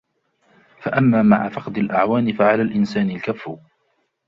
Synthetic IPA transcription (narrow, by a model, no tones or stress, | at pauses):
faʔamːaːma̰ʕafɑqd̪ɪlʔaʕwaːnɪfaʕalaːlʔɪnsaːnɪlkafːʊ